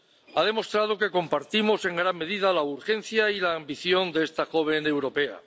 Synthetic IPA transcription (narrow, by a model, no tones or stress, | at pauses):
aðe̞mo̞st̪ɾað̞o̞ke̞ko̞mpaɾt̪imo̞se̞ŋɡɾamːe̞ðiðalauɾxe̞n̟θjailaːmbiθjo̞nd̪eest̪axo̞β̞e̞newɾo̞pe̞a̰